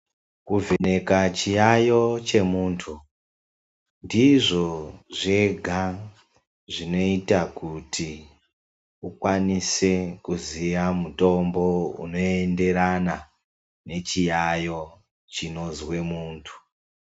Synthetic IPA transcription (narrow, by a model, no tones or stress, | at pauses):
kuvʱene̞kat͡ʃijajo̞t͡ʃe̞muːntʰu | ndiʐo̞ʐe̞ɡʱa | ʐino̞itakutʰi | ukwanise̞kuziʋamuto̞mbo̞ṵno̞e̞nde̞ɾana | ne̞t͡ʃijajo̞ | t͡ʃino̞zwe̞muːntʰu̥